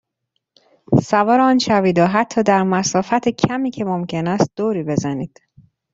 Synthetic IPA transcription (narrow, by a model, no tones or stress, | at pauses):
sævɒːɾeɒːnʃæviːd̪ɒːɦæt̪ʰːɒːd̪æɾmæsɒːfæt̪ʰecʰæmiːcʰe̞momcʰe̞næst̪̚d̪̥oːɾiːbe̞zæniːd̪̥